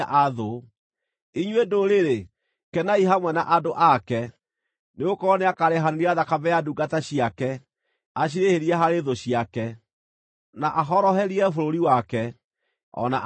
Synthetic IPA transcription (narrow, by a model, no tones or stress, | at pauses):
ʔaðo | iɲwedoɾeɾe | kɛnaiɦamwɛnaʔadoʔakɛ | neokɔɔneakaɾeɦaneɾiaðakavɛjaduɡataɕiakɛ | aɕ̬iɾeheɾiɛɦaɾeðoɕiakɛ | naʔaɦɔɾɔɦɛɾiɛfoɾoɾiwakɛ | ɔ̰na̰ʔ